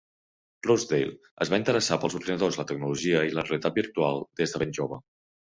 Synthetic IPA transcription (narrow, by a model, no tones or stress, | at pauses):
rozd̪ejl | əzβaint̪əɾəsapəlˠzuɾðinəðozlət̪əɡ̚nuluʒiəiləreəlit̪at̪̚biɾt̪ualˠd̪ezðəβenʲʒoβə